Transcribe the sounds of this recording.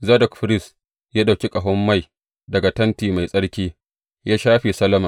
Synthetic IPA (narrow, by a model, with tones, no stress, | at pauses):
zɐ˦dɔ˨kɸɪ˦ɾɪ˦s | jaː˦da˨wkʲi˦kʼɐ˨ɦɔ˦mːa˦˨j | dɐ˨ɡa˨tɐ˦ntiː˨ma˨jsʼɐ˦ɽkʲiː˦ | jaː˦ʃaː˦ɸi˨sɐ˦lɐ˦ma˨